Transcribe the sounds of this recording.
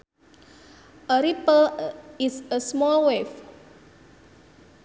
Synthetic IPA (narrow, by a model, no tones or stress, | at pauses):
ʔəɾipəlɪsəsmɔlwef